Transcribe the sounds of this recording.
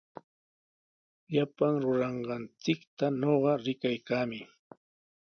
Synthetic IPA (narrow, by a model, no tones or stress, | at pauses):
ʎapaŋɾʊɾɑɴɢɑnt͡sɪkt̪aɲoɢɑɾɪkajkaːmɪ